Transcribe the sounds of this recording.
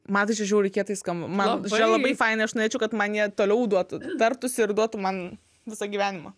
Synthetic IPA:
mɐnt̪ɐɪt͡ʃʲɛʒʲɛʊɾʲɛɪkʲiɛt̪ɐɪskɐmbɐmɐnʲɛlˠɐbɐɪfɐɪnɐɪɐʃnoːɾʲeːt͡ʃʲɛʊkɐt̪mɐnjiɛt̪oːlʲɛʊd̪uɔt̪ʊt̪ɐrt̪ʊsʲɪɪrd̪uɔt̪ʊmɐn | ʋʲɪsɐɡʲiʋʲæːnʲɪmɐ

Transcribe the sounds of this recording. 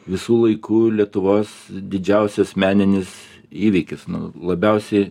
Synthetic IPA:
ʋʲɪsuːlˠɐɪkʰuːlʲiɛt̪ʊʋoːsd̪ʲɪd͡ʒʲɛʊsʲɛsmʲæːnʲɪnʲɪs | iːʋʲiːkʲɪsnʊ̰lˠɐbʲɛʊsʲɛɪ

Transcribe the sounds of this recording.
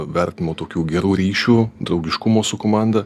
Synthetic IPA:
ʋʲɛɾʲt̪ʲnʲɪmoːt̪oːkʲuːɡʲɛɾuːɾʲiːʃʲuːd̪ɾɒʊɡʲɪʃkʊmoːsʊkoːmɑnd̪ɐ

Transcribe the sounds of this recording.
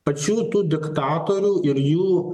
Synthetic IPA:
pɐt͡ʃut̪ud̪ɪkt̪aːt̪oɾuʔɪɾju

